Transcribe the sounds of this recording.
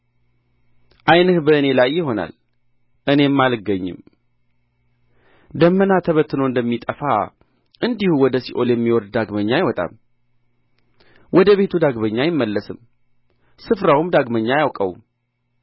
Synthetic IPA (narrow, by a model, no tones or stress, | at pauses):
ʔajnɨhbəɨne̞lajːɪɦo̞na̰l | ʔɨne̞mːalɡəɲːɪ̰m | d̪əmːənat̪ʰəβət̪ːɨnoɨnd̪əmːit̪ʼəfa̰ | ʔɨnd̪ihuwɔd̪əsiʔo̞ljɛmːiwɔd̪d̪aɡməɲːajɪwɔt̪ʼa̰m | wɔd̪əβe̞t̪ʰud̪aɡbəɲːajɪmːəlːəsɨm | sɨfɾawumd̪aɡməɲːajawkʼə̰wm